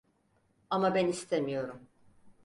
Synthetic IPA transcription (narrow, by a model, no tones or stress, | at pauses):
amabɛnist̪ʰemijo̞ɾum